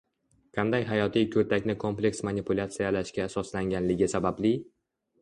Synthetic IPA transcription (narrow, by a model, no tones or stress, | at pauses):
qʰɑnd̪ajɦajɒt̪ʰijkʰɵɾt̪ʰakʲnɪkʰo̞mplʲe̞ksmanipʰulʲˠat̪sɨjalaʃkʲaːsɒslaŋɡʲanlɪɡʲɪsabablɪ